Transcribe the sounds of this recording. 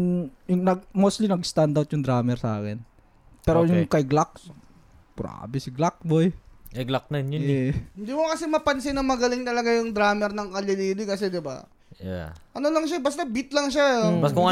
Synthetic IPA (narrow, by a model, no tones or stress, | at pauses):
jʊŋnɐɡ̚mowst̪linɐɡst̪and̪awt̪jʊŋd̪ɾaːmɛɾsaːkɛn | pɛːɾojʊŋkɐjɡlak̚s | bɾa̰ːbɛsɪɡlak̚bojkɐɡlak̚nɐjnjʊnɛhɪnd̪iːmʊkɐsɛmɐpɐnsɪnɐmɐɡɐlɪŋt̪ɐlɐɡajʊŋd̪ɾaːmɛɾnɐŋkɐlɐliːd̪ɪkɐs̬ɛd̪ɪba̰ | ja̰ʔɐnolɐŋʃ̬abɐst̪abit̪lɐŋʃakʊŋɐ